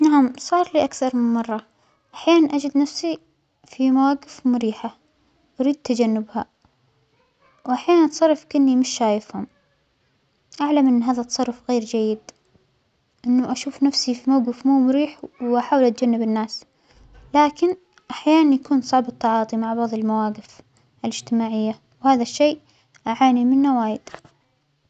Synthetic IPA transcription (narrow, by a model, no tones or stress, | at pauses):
naʕamsˤɑːɾˤliːʔakθɑɾˤmɪnmɑrˤːɑ | ʔaħjaːnanʔad͡ʒɪd̪nafsi | fimawaːɡɪfmʊɾiːħa | wʔaɾiːd̪̚t̪ad͡ʒanːɪbha | wʔaħjaːnanʔɑt̪sˤɑrˤːɑfkɪnːimɪʃːaːjɪfhʊm | ʔaʕlamʔɪnːɦaːðat̪ːɑ̥sˤɑrˤːʊfɣeːɾd͡ʒajːɪd̪ | ʔɪnːʊʔaʃuːfnafsifimawɡɪfmuːmʊɾiːħwʔaħaːwlʔat̪̚d͡ʒanːɪbɪnːaːs | laːkɪn | ʔaħjaːnanjakuːnsˤɑʕbɨt̪ːɑʕɑːt̪ˤimaʕbɑʕðˤɪlmawaːɡɪf | ʔalɪd͡ʒt̪ɪmaːʕɪjːa | whaːðaʃːejː | ʔaʕaːnimɪnːawaːjɪd̪̥